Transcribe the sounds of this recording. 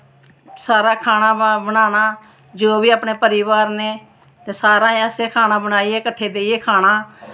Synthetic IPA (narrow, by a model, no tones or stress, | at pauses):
saːɾaːkʰaːnaːbənaːnaː | d͡ʒoːbiːaːpneːpəɾiːʋaːɾneː | t̪eːsaːɾãːẽəseːkʰaːnãːbəɽ̃aːieːkəʈʰːeːd̪eːieːkʰaːɽ̃aː